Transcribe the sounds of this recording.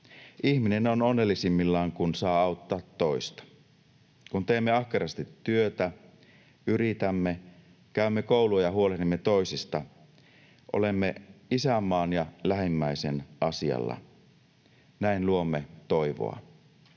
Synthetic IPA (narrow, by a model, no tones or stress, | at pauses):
ʔiçmine̞nononːelːisimːilːɑːŋkunsɑːɑut̪ːɑːt̪ːo̞ist̪ɑ̥ | kunt̪e̞ːmːeɑhkeɾɑst̪it̪ːyøt̪æ | yɾit̪æmːe | kæymːekouluɑjɑɦuolenimːet̪o̞isist̪ɑ | ʔo̞̰lemːeisæmːɑːnjɑlæɦimːæisenʔɑsiɑ̰lːɑ̰ | næinluo̞mːe̞t̪o̞jʋo̰ɑ̰